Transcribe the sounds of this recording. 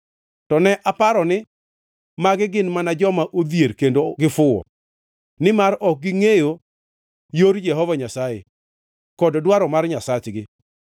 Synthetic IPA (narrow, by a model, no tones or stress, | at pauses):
tɔnɛʔapaɾɔnɪ | maɡɪɡɪnmanad͡ʒɔmaʔod̪jeɾkendoɡɪfʊɔ̰ | nɪmaɾɔk̚ɡɪŋejo | joɾjɛɦɔvaɲasajḛ | kɔddwaɾɔmarɲasat͡ʃɡɪ